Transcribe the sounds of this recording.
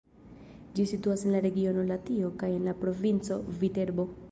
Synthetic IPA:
d͡ʒisituase̞nlaɾe̞ɡio̞no̞latio̞kaje̞nlapɾo̞vint͡so̞vite̞ɾbo̞

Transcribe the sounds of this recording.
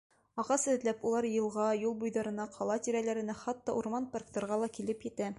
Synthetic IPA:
ɒʁɑsɘ̆ðlæpulˠɑɾjɤ̆lˠʁɑjulˠbujðɑɾɤ̆nɑqʰɒlˠɑt̪iɾælæɾɘ̆næχɑt̪ːɑʔuɾmɑnparkt̪ŏɾʁɑlˠɑkilɘpjɘ̆t̪æ

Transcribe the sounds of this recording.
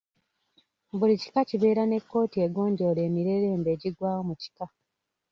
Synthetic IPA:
bulici̥kaciβe̞ːɾane̞kːo̞ːtieɡo̞ːɲɟole̞ːmiɾe̞ɾe̞ːmbe̞ːɟiɡwaːwo̞muci̥ka

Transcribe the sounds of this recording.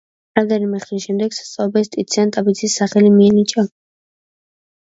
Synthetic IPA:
ɾad̪ɛɾimɛχt̪isʃɛmd̪ɛɡsḁst̪sʼaɔbɛst̪ʼit̪sʰiant̪ʼabit̪sʰisːaχɛlimiɛnit͡ʃʼa

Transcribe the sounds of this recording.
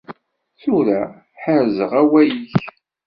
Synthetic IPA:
θuɾæ | ħəɾzəʁæwæjiç

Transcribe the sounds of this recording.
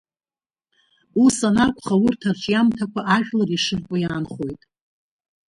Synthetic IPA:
usanakʷʰʼχawʊrtʰarʈ͡ʂʼjamtʰakʷʰaʔaʒᶣlariʂɨrkʷʼojaːnχo̞jtʼ

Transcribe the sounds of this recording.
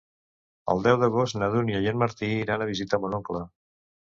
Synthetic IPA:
ə̰lˠd̪ɛwðəɣ̞ost̪nəðunjəjenməɾt̪iiɾanəβ̞izit̪əmonɔklə

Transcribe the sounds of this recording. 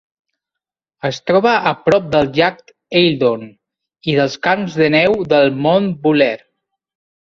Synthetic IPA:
əst̪ɾɔβəʔəpɾɔp̚d̪əlˠʒak̚t̪ | eld̪on | iðəlˠskanzðənɛwðəlˠmonbulɛɾ

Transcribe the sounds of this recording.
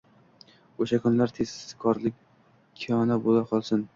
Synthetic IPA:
oʃakʰʊnlaɾt̪ʰezsɪzkʰɒɾlɪkʲ | kʰijɒnabolaqʰɒlˠsɪn

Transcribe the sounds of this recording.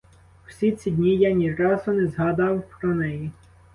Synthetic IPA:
w̥sʲit̪t͡sʲid̪ʲnʲijanʲiɾɑzʊnɛzɦɑd̪ɑwpɾɔnɛji

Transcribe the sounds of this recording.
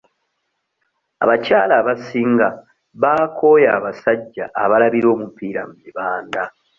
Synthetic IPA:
a̰βaca̰ːlaːβasiːŋɡa | βaːko̞ːjaːβasaɟːa̰ʔːβalaβiɾo̞ːmupiːɾa̰mumiβaːnda

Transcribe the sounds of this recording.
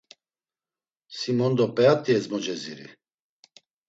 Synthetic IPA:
simɔnd̪ɔpʼɛat̪ʼiɛzmɔd͡ʒɛziɾḭ

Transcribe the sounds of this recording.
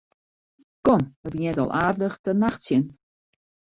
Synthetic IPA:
kɔməbjɛtɔ̰lˠʔaːrdələxtənaxtsjɪn

